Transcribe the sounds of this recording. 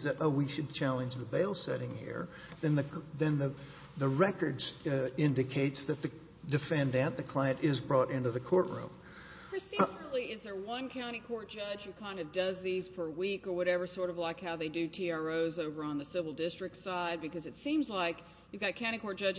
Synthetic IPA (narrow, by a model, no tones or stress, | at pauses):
zðɨɾʔoʊwiʃɨd̚t͡ʃʰælˠə̃nd͡ʒðəbeɪlˠsɛ̰ɾɪ̃ŋhḭɹ | ðɨ̃nðɨðɨ̃nðɨ | ðɨɹɛkə˞dzɪ̃ndɨkʰeɪtsðɨt̪̚ðɨ | dɨfɛ̃ndɨ̃nðɨkʰl̥aɪɨ̃ntɪzbɹɔɾɪ̃ntʉðɨkʰɔɹʔɹʉ̰̃mʰ | ɹɨsil̩ˠiɪzðə˞wʌ̃nkʰãʊ̃ɾ̃ikʰɔɹt̚d̥ʒ̥ʌd͡ʒjɨkʰãɪ̃ndʌvdʌzðiz̥pʰə˞wikə˞wʌɾɛvə˞sɔɹɾʌvlaɪkhaʊðeɪdɨtʰiɑɹoʊzoʊvə˞ə̃nðɨsɪvl̩ˠdɪstɹ̥ɨk̚tsaɪd̚bɨkʌzɨtsĩmzlaɪk | jɨvɡɑt̚kʰãʊ̃ɾ̃ikʰɔɹt̚d̥ʒ̥ʌd͡ʒ